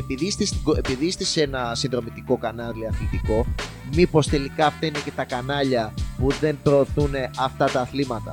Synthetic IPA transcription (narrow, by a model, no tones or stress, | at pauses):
e̞piðist̪ist̪iɡoepiðist̪ise̞nɐsinðɾo̞mit̪iko̞kɐnɐliɐθlit̪iko̞ | mipo̞st̪e̞likɐːft̪ɐine̞ce̞t̪ɐkɐnɐʎɐpuðe̞npɾo̞ːθune̞ɐft̪ɐt̪ɐːθlimɐt̪ɐ̰